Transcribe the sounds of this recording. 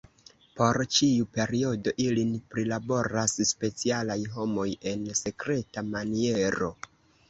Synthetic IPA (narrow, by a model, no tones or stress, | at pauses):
po̞ɾt͡ʃiupe̞ɾio̞do̞ʔilinpɾilabo̞ɾasspe̞t͡sialajɦo̞mo̞je̞nse̞kɾe̞tamanie̞ɾo̞